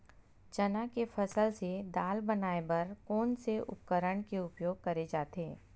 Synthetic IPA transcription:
t͡ʃɐnakefʰɐsəlsed̪aːlbɐnaːebɐɾkɔːnseʔʊ̰p̚kəɾəɳ̃keʊpjoːɡ̚kɐɾed͡ʒaːt̪eː

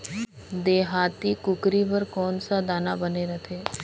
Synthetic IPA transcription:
d̪eːɦaːt̪ikʊkɾibəɾkɔːnsad̪aːnabəneɾət̪ʰeː

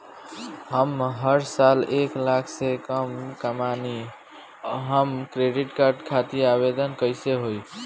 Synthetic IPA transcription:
ɦəmɦəɾsaleklakʰsekəmkəmani | ɦəmkɾeɖiʈkaɾɖkʰat̪iabed̪ənkəɪseɦoj

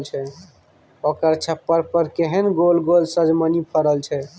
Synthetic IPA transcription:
lt͡ʃʰɛ | okəɾt͡ʃʰəpːəɾpəɾkeɦənɡolɡolsəd͡ʒmənipʰəɾəlt͡ʃʰɛ

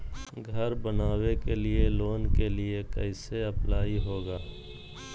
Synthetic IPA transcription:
ɡʱəɾbənaːwekelɪeloːnkeliekə̰ɪseɐplaːiɦoːɡaː

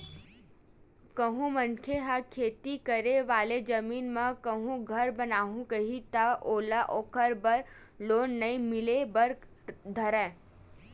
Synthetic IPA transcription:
kəɦũmənkʰeɦakʰeːt̪ikəɾeʋaːled͡ʒɐmiːnmãkəɦũɡʱɐɾbɐnaːɦũkəɦit̪aʔoːlaʔoːkəɾbɐɾ | loːnːɐĩmɪlebɐɾk | d̪ʱɐɾɛ̃ː

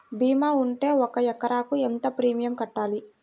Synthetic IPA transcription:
biːmaːuɳʈe̞ːɔkɐɛkːɐɾaːkuent̪ɐpɾiːmijɐmkɐʈːaːli

